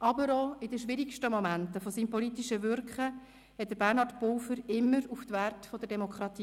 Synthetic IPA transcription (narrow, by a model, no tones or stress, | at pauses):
ʔɑbəɾɔɪdəʃʋɪɾikʃtəmomæntəfɔsiːmpɔlitiʃəʋʏɾkχə | hɛt̚d̥̪əɾbærnhɑːtpowfəɾɪmːəɾuftʋærtfɔd̪əɾdɛmokʰχɾɑt̪iː